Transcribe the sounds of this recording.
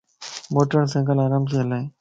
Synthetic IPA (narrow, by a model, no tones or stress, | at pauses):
moːʈəɾsɪ̃ŋɡəlaːɾaːmtʰiəlaeː